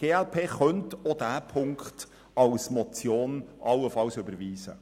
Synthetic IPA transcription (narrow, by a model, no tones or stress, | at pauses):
ɡ̥eːɛlpʰeːχœntod̥æːpʰʊŋkt | ɑlsmɔt͡sjoːnʔɑlːəfɑlsʏbəɾʋiːsə̰